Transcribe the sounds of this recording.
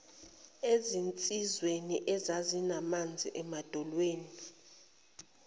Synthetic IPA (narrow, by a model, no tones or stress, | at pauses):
ezint͡sʼizweniʔɛzazinamand͡zʱḭʔɛmad̥ʱɔlweːni